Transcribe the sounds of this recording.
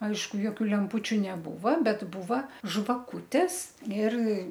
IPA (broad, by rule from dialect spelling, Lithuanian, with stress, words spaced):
ˈɐɪʃkʊ joːˈkʲuː lʲɛmˈpuːt͡ʃʲʊ nʲɛˈbuːʋɐ ˈbʲɛt ˈbuːʋɐ ʒʋɐˈkuːtʲɛs ɪr